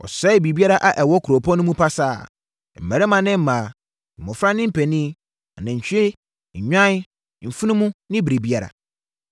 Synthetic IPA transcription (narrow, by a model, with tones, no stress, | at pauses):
ɔ̰˨sɛ˦bi˨bi˦a˦ɾa˦ʔa˨ʔɛ˨wɔ˦kʰu˨ɾo˨pʰɔ̃˦nʊ̃˦mũ˦pʰa˦sa̰ː˦˨ | m̩˨mæ̃˨ɾɛ˦mã˨nɪ̃˦m̩˦mã˨ | m̩˨mɔ̃˨fɾa˦nɪ̃˦m̩˦pʰæ˨nĩ˦ | a˨nã˨ɲ̩˨t͡ɕʰᶣe˦ | ɲ̩˨ɲᶣã˦n˦ | m̩˨fu˦nʊ̃˦mũ˦nɪ̃˦bɾi˨bi˦a˦ɾa̰˨